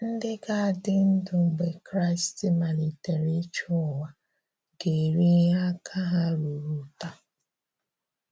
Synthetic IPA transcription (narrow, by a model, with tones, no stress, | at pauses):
n̩˦dɪ˦ɡa˦a˨dɪ˦n̩˦dʊ˨ŋ͡m̩˨ɡ͡be˨kɾa˦ɪ˨stɪ˦ma˨ni˨te˨ɾi˦t͡ʃɔ˦˨wa˨ | ɡe˨ɾi˦ɦa˦kʰa˦ɦa˦ɾu˨ɾu˨ta˦